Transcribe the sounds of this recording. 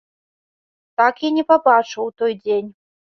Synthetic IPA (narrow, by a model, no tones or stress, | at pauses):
t̪akjanʲɛpabat͡ʂɨwt̪ɔjd͡zʲenʲ